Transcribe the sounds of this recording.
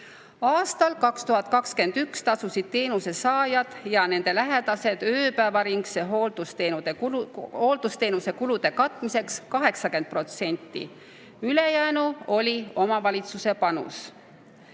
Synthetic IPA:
ɑːst̪ɑlkɑkst̪uɦɑt̪̚ˑkɑkske̞nd̪̥ykst̪ɑsusid̪̥̚t̪e̞ːnuse̞sɑːjɑd̪̥jɑne̞nd̪̥e̞læɦe̞d̪̥ɑse̞d̪̥øːpæevɑɾiŋɡse̞ɦold̪̥ust̪enud̪eho̞ːld̪̥ust̪e̞ːnuse̞kulud̪̥e̞kɑt̪ˑmise̞kskɑɦe̞ksɑke̞nd̪̚pro̞t̪se̞nʲt̪ːˑḭ | yle̞jænuo̞lʲio̞mɑvɑlʲit̪suse̞pɑnṵs

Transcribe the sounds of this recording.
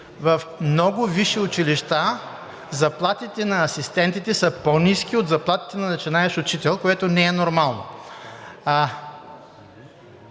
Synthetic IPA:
vɐfmnɔɡʊviʃiʊt͡ʃiliʃt̪a | zɐplˠat̪it̪ɛnɐːsist̪ɛnt̪it̪ɛsəponiskiod̪zɐplˠat̪i̥t̪ɛnɐnɐt͡ʃinaɛʃʊt͡ʃit̪ɛlˠkoɛt̪onɛɛnoɾmalˠno̰

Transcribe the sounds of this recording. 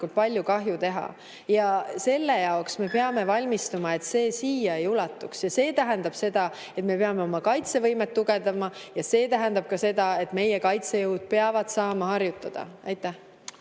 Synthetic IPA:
kult̪̚pɑlʲjukɑɦjut̪e̞ɦɑ̰ | jɑse̞lːe̞jɑoksme̞pe̞ɑme̞vɑlʲmist̪umɑe̞t̪se̞ːsiːjɑejulɑt̪ːˑuksjɑse̞ːt̪æɦend̪̥ɑb̥se̞d̪ɑ | e̞t̪me̞pe̞ɑme̞o̞mɑkɑjt̪se̞vɤjmet̪ːuɡed̪ɑmɑjɑse̞ːt̪æɦe̞nd̪ɑb̥̚kɑse̞d̪̥ɑe̞t̪ːˑme̞jekɑjt̪se̞jɯwd̪̥̚peɑvɑd̪̥sɑːmɑhɑrjut̪ːˑɑd̪̥ɑ̰ɑjt̪ːˑæh

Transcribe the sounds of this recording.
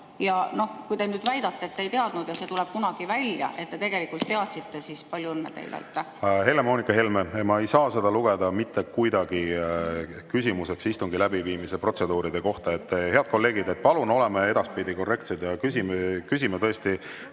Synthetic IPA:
jɑno̞hkujd̪enyːd̪̥væjd̪ɑt̪ːˑeet̪ːejt̪eɑd̪̥nud̪̥jɑse̞ːt̪ulɛb̥kunɑɡ̥ivælʲjɑ̰ʔe̞t̪t̪ːe̞t̪e̞ɡ̥e̞likult̪ːe̞ɑt̪sit̪ːe̞sispɑlʲjuɤnːet̪ḛjlḛy̰t̪ːe | ɦe̞lːe̞mo̞ːnikːˑɑɦe̞lmeemɑe̞jsɑːse̞d̪ɑluɡ̥e̞d̪̥ɑmit̪ːe̞kujd̪ɑɡ̥i | kysʲimuse̞ksist̪uŋɡilæbiviːmise̞pro̞t̪se̞d̪uːɾid̪̥e̞ko̞ht̪ɑet̪ːhe̞ɑd̪̚ko̞lːe̞ːɡ̥id̪e̞t̪̚ːpɑluno̞le̞mee̞d̪ɑspid̪iko̞rːe̞k̚t̪sed̪jɑkysimekysimet̪ɤ̞est̪i

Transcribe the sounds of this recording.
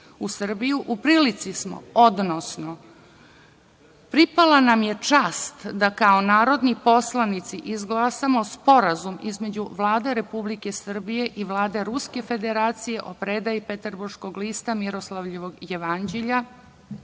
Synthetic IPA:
usr̩bijuʔupɾiːlit̪sismo̰od̪nosno | pɾipalanamje̞t͡ʂaːst̪d̪akao̞naːɾo̞d̪nipo̞slˠanit̪siʔizɡlˠaːsamospo̞ɾazumizme̞d͡ʑuʋlˠaːd̪e̞ɾe̞publike̞sr̩bije̞ʔiʋlˠaːd̪e̞ɾuske̞fe̞d̪e̞ɾaːt̪sije̞ʔo̞pɾeːd̪ajipet̪rbuɾʃko̞ɡliːst̪amiɾo̞slˠaʋʎeʋoɡjeʋand͡ʑeʎa

